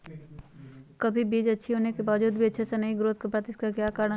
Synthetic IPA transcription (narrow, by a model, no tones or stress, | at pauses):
kɐbʱibiːd͡ʒɐtːʃʰiɦoːnekebaːʋd͡ʒuːd̪̚bʱiɐtːʃʰesenɐɦiɡɾoːt̪̚kapɾat̪ɪskakjaːkaːɾn